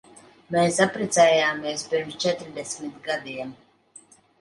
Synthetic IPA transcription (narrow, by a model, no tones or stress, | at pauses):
mɛːsapɾit̪sɛjaːmiɛspiɾmst͡ʃɛt̪ɾd̪ɛsmit̪ɡad̪iɛm